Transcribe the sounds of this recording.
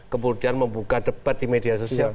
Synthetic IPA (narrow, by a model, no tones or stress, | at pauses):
kəmurdianməmbukadəpat̪̚d̥imediasosia